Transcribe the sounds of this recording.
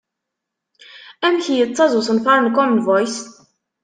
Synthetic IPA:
æmçijət͡sːɑzˤʊsənfɑɾnkɔmənvɔjs

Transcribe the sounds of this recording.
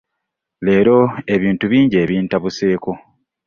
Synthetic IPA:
le̞ːɾo̞e̞βiːntuβiːɲɟe̞ːβiːntaβuse̞ːko̞

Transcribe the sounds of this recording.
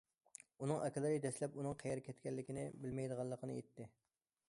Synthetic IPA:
unɨŋʔɛkʲɪlˠɨɾɨd̪ɛslɛpunɨŋqʰɛjɛɾkʲʰɛt̪kʲɛlːɪkʲɪnɪbɪlmɛjd̪əʁɑlˠːəqʰənɨet̪ːɪ

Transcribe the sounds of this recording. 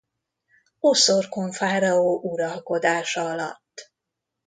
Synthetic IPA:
osorkoɱfaːɾɒoːʔuɾɒlko̞d̪aːʃɒɒlɒ̰t̪ː

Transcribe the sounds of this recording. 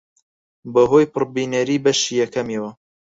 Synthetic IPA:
bɐɦojpɨɾbiːnɐɾiːbɐʃiːjɛkʰɐmewɐ

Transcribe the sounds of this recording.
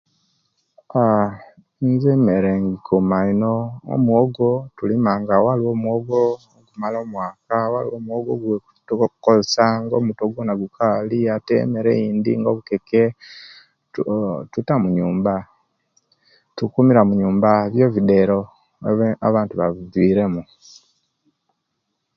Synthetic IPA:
a | nzemeɾeŋɡikʰumainoo̰mwoɡotulimaŋɡawaliwo̞ːmwoɡo | ɡumaloːmwaːkawalḭwoːmwoɡoɡweutkozesaŋɡo̰ːmutoɡonaɡukʰaliatḛme̞ɾḛiːnd̪ḭŋɡoβukeke | tutamuɲuːmba | tukumiɾamuɲuːmbaβjo̞ːβide̞ɾo̞ | a̰βaːntuβaβuvwiːɾe̞mu

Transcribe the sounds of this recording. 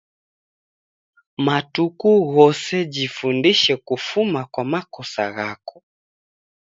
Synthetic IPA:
matukuɣɔsɛd͡ʒifundiʃɛkufumakwamakɔsa̰ɣakɔ̥

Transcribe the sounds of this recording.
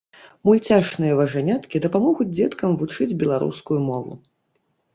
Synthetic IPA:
mujt͡sʲaʂnɨjɐvɐʐanʲat̪kʲid̪ɐpamɔɣud͡zʲd͡zʲɛt̪kɐmvut͡ʂɨd͡zʲbʲɛlˠaɾṵskujumɔvṵ

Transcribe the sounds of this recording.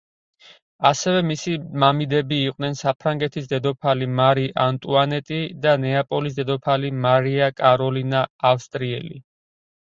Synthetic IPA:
asɛvɛmisimamid̪ɛbiːqʼwnɛnsapʰɾaŋɡɛt̪ʰisd̪ɛd̪ɔpʰalimaɾiʔant̪ʼuanɛt̪ʼid̪anɛapʼɔlisd̪ɛd̪ɔpʰalimaɾiakʼaɾɔlinaːfst̪ʼɾiɛ̰li

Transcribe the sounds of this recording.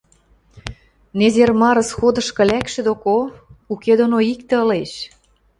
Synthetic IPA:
nezermɑɾə̆sxod̪ɤ̆ʃkɤ̆lʲækʃĕd̪okouked̪onoik̚t̪ĕəleʃ

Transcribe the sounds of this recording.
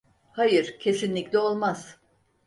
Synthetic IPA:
hajɯɾ̥cʰe̞sinlʲicʲlʲɛo̞lˠmaz̥

